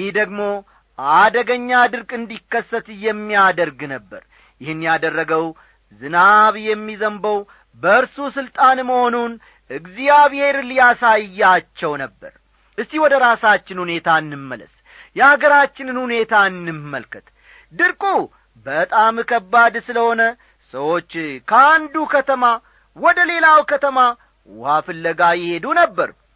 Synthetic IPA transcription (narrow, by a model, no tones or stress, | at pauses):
jihd̪əɡmo̞ | ʔad̪əɡəɲːad̪ɨɾkʼɨnd̪ikːəsːət̪jɛmːijad̪əɾɡnəbːə̰ɾ | jɪhɨnːjad̪ərːəɡəw | zɨnaβjɛmːizəmbəw | bəɨɾsusɨlt̪ʼanməho̞nun | ʔɨɡzijaβhe̞ɾlijasajːat͡ʃːɛwnəbːə̰ɾ | ʔɨst̪iwɔd̪əɾasat͡ʃːɪnhune̞t̪ʰaɨnːɨmːə̰lə̰s | jɛaɡəɾat͡ʃːɪnɨnhune̞t̪ʰaɨnːɨmːə̰lkʰət̪ | d̪ɨɾkʼu | bət̪ʼamkʰəbːad̪sɨləho̞nə | səwo̞t͡ʃːkʰəand̪ukʰət̪ʰəma | wɔd̪əle̞lawkʰət̪ʰəma | wafɨlːəɡajɪhe̞d̪unəbːəɾ